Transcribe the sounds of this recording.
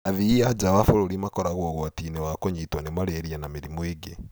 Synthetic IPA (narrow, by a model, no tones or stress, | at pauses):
aðiad͡ʒawafoɾoɾimakɔɾaɣwɔɣɔatinewakoɲeitwanemaɾeɾianameɾimweɡe